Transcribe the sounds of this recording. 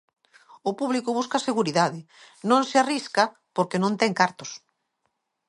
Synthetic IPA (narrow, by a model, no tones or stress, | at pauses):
ʊpuβlikʊβuskaseɣuɾiðaðɪ | nõŋseariska | poɾkenõnt̪ɛŋkaɾt̪ʊs